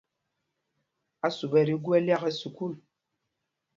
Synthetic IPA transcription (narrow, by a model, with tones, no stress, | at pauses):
a˦su˨bɛ˨ɾi˦ɡu˦ɛ˦lja˦ɣɛ˦su˨ku˦˨l